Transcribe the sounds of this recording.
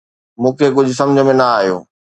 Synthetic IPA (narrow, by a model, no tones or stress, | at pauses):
mũːkʰekʊd͡ʑʱʊsɐmd͡ʑʱə̆mẽnɐaːɦijo̰ː